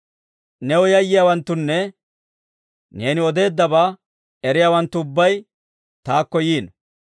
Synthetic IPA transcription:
nɛwɔjɐjːɪjaːwɐnt̪ːʊnːɛ | ne̞ːnɪɔd̪e̞ːd̪ːɐbaː | ɛɾɪjaːwɐnt̪ːʊːbːɐj | t̪aːkːɔjiːn

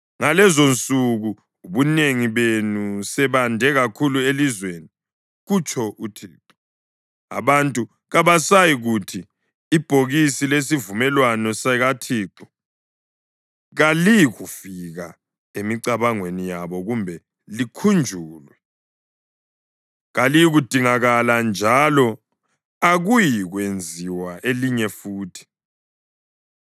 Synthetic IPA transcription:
ŋalɛzont͡sʼuɣuː | βuneŋiβenusɛβandʱɛɣakʰuluelizweni | ɣut͡ʃʰʼɔʔutʰḭːǁɔ | a̰βantʼu | ɣaβasajiɣutʰiː | b̥ʱoɣisiles̬ivumɛlwanɔsɛɣatʰiːǁɔ̥ | ɣalijɣufiɣa | emiǀaβaŋwenijaβɔɣumbʱɛ | likʰund͡ʒʱuːlwɛ | ɣalijiɣud̥ʱiŋaɣaland͡ʒʱalɔ | aɣujiɣwend͡zʱiwaʔeliɲɛfuːtʰi̥

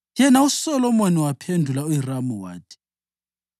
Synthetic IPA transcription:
jɛnausɔlɔmoniwapʰendʱulauiramuwa̰ːtʰʼi̥

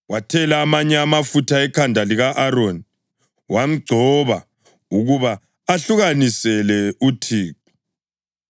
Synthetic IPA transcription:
watʰɛlaːmaɲɛamafutʰaɛkʰandʱaliɣaʔaɾoni | wam̩ɡ͡ǀʱɔβa | uɣuβaː | ɬuɣanisɛlɛutʰiːku

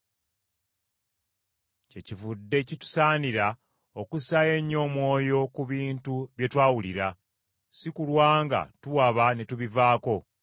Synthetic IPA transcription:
ce̞civudːe̞citu̥saːniɾa | o̞kusae̞ɲːo̞mwo̞ːjo̞kuβiːntuβje̞twaːwuliɾa | sikulwaːŋɡa̰tuwaβanetuβivaːko̞

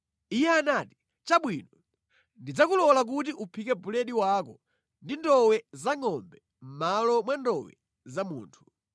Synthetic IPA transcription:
ijɛanaːti̥ | t͡ʃaɓwinɔ | ndid͡zakulɔlak̬utiʔupʰikɛbulɛɗiwakɔ | ndindɔwɛzaŋɔmbɛ | m̩malɔmwandɔwɛ̰ | zamṵːntʰu̥

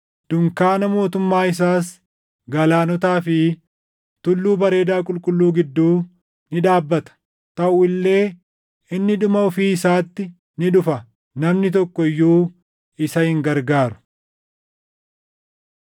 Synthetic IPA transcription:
d̪̥ʊŋkaːnɐmo̞ːt̪ʊmːaːɪs̬aːs | ɡɐlaːnɔt̪aːfɪ | t̪ʊlːuːbɐɾe̞ːd̪aːkʼʊlkʼʊlːuːɡɪd̪ːuː | nɪᶑaːbːɐt̪ɐ̥ | t̪ɐʔʊɪlːe̞ː | ɪnːɪᶑʊmɐɔfiːɪsaːt̪ːɪ | nɪᶑʊfɐ | nɐmnɪt̪̬ɔkːɔɪjːuː | ɪsɐhɪŋɡɐɾɡaːɾʊ̥

